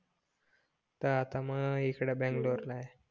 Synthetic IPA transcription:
t̪əat̪aməikɽabɛ̃ŋɡloɾlae

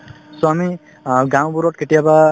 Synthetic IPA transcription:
sɔmi | ɡãw̃buɾɔʈ̚kʰeʈijaba

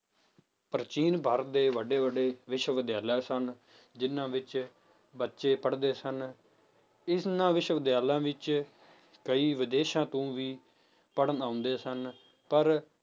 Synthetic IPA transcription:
pɾət͡ʃiːnbʱəɾd̪eːʋəɖeːʋəɖeːʋɪʃʋəd̪jaːlaːsən | d͡ʒɪnːãːʋɪt͡ʃ | bətːʃeːpəɽd̪eːsən | ɪsnãːʋɪʃʋəd̪jaːlãːʋɪt͡ʃ | kəiːʋɪd̪eːʃãːt̪õːʋiː | pəɽnãːʊ̃nd̪eːsən | pəɾ

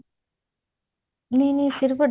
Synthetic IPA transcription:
niːniːsiɾʋɐɖ

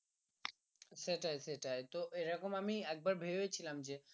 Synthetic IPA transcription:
seʈajseʈajt̪oʔeɾɔkomamiɛk̚baɾbʱebet͡ɕʰilamd͡ʑe

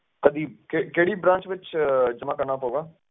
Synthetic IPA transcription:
k̪əd̪iːbkekeːɽiːbɾãːnt͡ʃʋɪt͡ʃd͡ʒəmãːkəɾnaːpoːɡaː

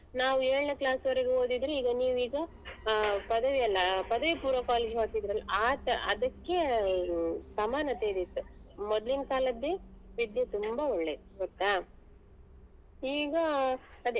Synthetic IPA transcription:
naːʋueːɭneklaːsʋɐɾeɡeoːd̪id̪ɾeiːɡɐniːʋiːɡɐ | pɐd̪ɐʋiɐlːɐpɐd̪ɐʋipuːɾɐkaːleːd͡ʒɦaːk̪id̪ɾɐlːɐaːt̪ɐɐ̰d̪ɐkːe̞ | sɐmaːnɐt̪eːd̪it̪ːumɔd̪limkaːlɐd̪ːeʋid̪jɐt̪umbɐoɭːed̪ɡot̪ːa | iːɡɐːd̪e

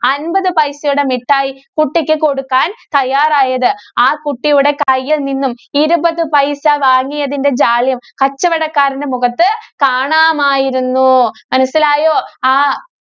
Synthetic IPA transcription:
ɐnbɐðɨpɐjsjuɽe̞miʈːaːjikuʈːikʲːɨko̞ɽukːaːnt̪ɐjːaːraːjɐðɨaːkuʈːijuɽe̞kɐjːɐlninːumiɾubɐðɨpɐjsɐʋaːŋːijɐðinde̞d͡ʑaːljɐmkɐt͡ɕːɐʋɐɽɐkːaːɾinde̞muɣɐt̪ːɨkaːɳaːmaːjiɾunːumɐnɐsːilaːjoːaː

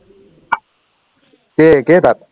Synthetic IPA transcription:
keket̪at̪̚

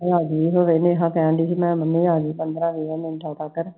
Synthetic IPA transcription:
aːɡiːɦoːʋeːnẽːɦãːpɛ̃ːɳɖ̪iːsiːmɛ̃ːmənːĩːaːɡiːpənd̪ɾãːʋiːãːmɪ̃nʈʰaːʈ̪aːkəɾ

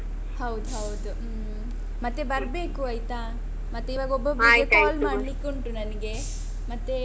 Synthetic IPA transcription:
hɐwd̪uɦɐwd̪u | mɐt̪ːebɐɾbe̞ːkuɐjt̪a | mɐt̪ːeiʋaːɡobːɐbɐekaːlmaːɖlikːoɳʈunɐnɐɡe̞ | mɐt̪ːe

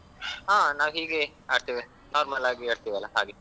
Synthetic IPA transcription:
ɦaːnaːʋɦiːɡe | aːɖt̪iːʋi | naːɾmalaːɡieːɽt̪iːʋiɐlːaɦaːɡe

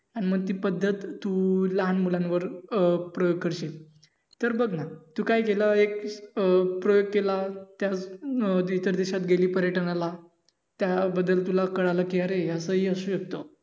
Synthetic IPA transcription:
añiməɡ̚t̪iːpəd̪ʱːət̪ːuːləɦanmulanʋəɾpɾəjoɡ̚kʰəɾɕel | t̪əɾbəɡnat̪uːkajkeləek | pɾojoɡ̚kelat̪jat͡s | it̪əɾd̪eɕat̪ɡeliːpəɾjəʈənala | t̪jabəd̪ːəlt̪ulakəɽaləkiaɾeəsəɦiːəsuːɕək̚t̪o

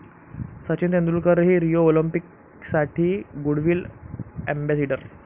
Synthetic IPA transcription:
sət͡ɕint̪end̪ɾuːlkəɾɦiːɾijoolimpik | saʈʰiːɡuɽʋiːlæmbæseɖəɾ

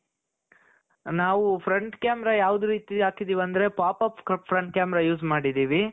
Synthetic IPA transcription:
naːʋupʰɾɐɳʈkjaːmɛɾajaːʋud̪uɾiːt̪iaːkid̪iːʋɐnd̪ɐɾe̞paːpaːpkpʰːɾɐɳʈ̚kʲjaːmɛɾajuːzmaːɽid̪iːʋi

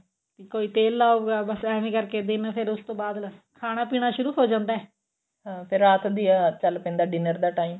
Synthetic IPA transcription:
t̪iːkoːiːt̪eːlːaːoɡaːbəsɛːʋẽːkəɾkeːd̪ɪnpʰɪɾʊst̪õːbaːd̪kʰaːɽ̃aːpiːɽ̃aːʃʊɾuːɦoːd͡ʒãːnd̪aːɛː | ɦãːpʰɪɾaːt̪ʰd̪iaːt͡ʃəlpɛ̃ːnd̪aːɖɪnəɾd̪aːʈaːiːm

